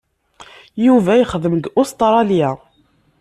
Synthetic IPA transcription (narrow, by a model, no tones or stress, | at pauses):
juvæjəχðəmɡʊst̪ɾˤɑlja